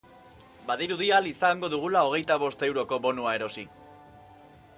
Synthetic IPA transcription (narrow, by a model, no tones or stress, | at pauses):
baðiɾuðialisaŋɡo̞ðuɣ̞ulao̞ɣ̞e̞jt̪aβ̞o̞st̪e̞wɾo̞ko̞βo̞nuae̞ɾo̞si